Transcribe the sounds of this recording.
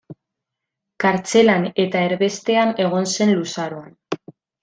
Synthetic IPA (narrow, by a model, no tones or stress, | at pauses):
kaɾt͡se̞lane̞t̪ae̞ɾβe̞st̪e̞ane̞ɣ̞o̞nse̞nlusaɾoan